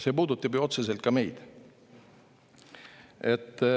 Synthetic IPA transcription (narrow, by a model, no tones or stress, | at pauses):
sepuːd̪ut̪ːˑɑbjuo̞t̪se̞s̬elt̪̚kɑme̞jd̪̥ | et̪ː